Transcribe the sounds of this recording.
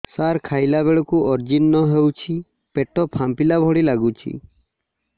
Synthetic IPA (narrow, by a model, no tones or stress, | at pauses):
saɾkʰajlabeɭɔkuɔɾd͡ʒinːɔɦewt͡ʃʰi | peʈɔpʰampilabʱɔɽilaɡut͡ʃʰḭ